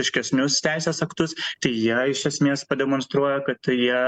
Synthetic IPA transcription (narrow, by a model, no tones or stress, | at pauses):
ɪʃʲkʲɛsʲnʲʊst̪ʲæɪsʲeːsɐkt̪ʊst̪ɐɪjiɛɪʃʲɛsʲmʲeːspɐd̪ʲɛmonst̪ɾuɔjɛkɐt̪jiɛ